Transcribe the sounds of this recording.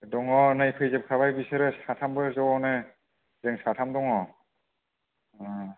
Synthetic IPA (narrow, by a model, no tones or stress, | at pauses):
dɔŋɔnajpʰɯjzep̚kʰaβajbiseɾɯsatʰambɯzɔɔnɯ | zeŋsatʰamdɔŋɔ